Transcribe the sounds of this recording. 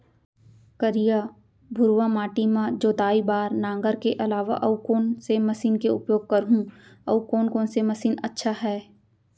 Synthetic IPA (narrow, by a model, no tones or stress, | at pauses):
kəɾija | bʱʊɾʋamaːʈimãd͡ʒoːt̪aːibaːɾnãːŋɡəɾkeʔɐlaːʋa̰ʔɐukoːnsemɐsiːnkeʊ̰pjoːɡ̚kɐɾɦũɐ̰ukoːnkoːnsemɐsiːnɐ̰tːʃʰaɦɛː